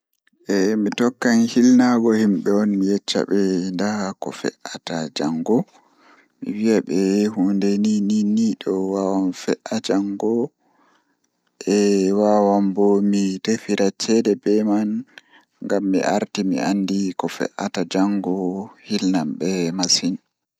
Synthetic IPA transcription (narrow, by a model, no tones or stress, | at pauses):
ʔɛmitɔkːanhilnaɡɔhimɓɛɔnmijɛt͡ʃːa̰ɓɛndakɔ̰fɛ̰ʔatad͡ʒaŋɡɔ | mḭwiaɓɛhundɛnininiɗɔwawanfɛʔad͡ʒaŋɡɔ | ʔɛwawambɔmitefiɾat͡ʃɛdɛbɛman | ŋɡamːḭʔa̰ɾtimḭandikɔfɛ̰ʔatad͡ʒaŋɡɔhilnamɓɛmasin